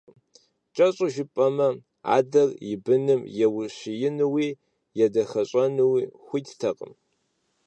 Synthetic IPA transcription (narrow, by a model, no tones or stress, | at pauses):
t͡ʃʼɐɕʼʊʒɪpʼɐmɐ | a̰ːdɐrjɪbɨnɨmjɛwʊɕɪjɪnɨwiː | jɛdɐxɐɕʼɐnɨwiːxʷʊttʰɐqʼə̰m